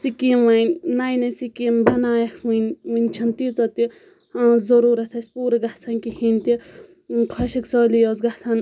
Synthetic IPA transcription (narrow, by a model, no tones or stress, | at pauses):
sikiːmʋɐnʲnajnɐsikimbʱɐnaːjɐkʰwinʋinʲt͡ʃʰɐnt̪it͡sɐt̪i | zɐɾuːɾɐt̪ʰɐsʲpuːɾɐɡaht͡s̪ʰanʲkihinʲt̪i | kʰɐʃɐksɔːlijoːzɡat̪ʰan